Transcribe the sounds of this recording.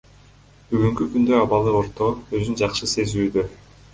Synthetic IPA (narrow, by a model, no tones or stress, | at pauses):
byɡyŋkykynd̪ø̞ɑβɑlˠɯo̞ɾt̪o̞øzynd͡ʒɑqʃɯse̞zyːd̪ø